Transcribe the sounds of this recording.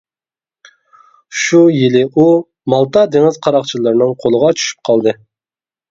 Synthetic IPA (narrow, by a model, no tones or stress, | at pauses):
ʃujilɪʔu | mɑlˠt̪ɑd̪eŋɪz̥qʰɑɾɑqt͡ʃʰilˠɨɾnɨŋqʰolˠəʁɑt͡ʃʰy̥ʃy̥p̚qʰɑlˠd̪ɨ